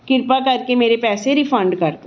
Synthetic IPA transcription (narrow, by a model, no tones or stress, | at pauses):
kɪɾpakɐɾkemeːɾepɛːseɾifɐ̃ɳɖkɐɾt̪o